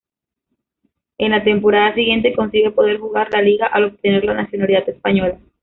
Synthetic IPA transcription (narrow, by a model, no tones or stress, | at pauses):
e̞nlat̪e̞mpo̞ɾaðasiɣje̞nt̪e̞ko̞nsiɣe̞po̞ðe̞ɾxuɣaɾlaliɣaʔalo̞p̚t̪e̞ne̞ɾlanasjo̞naliðat̪e̞spaɲo̞la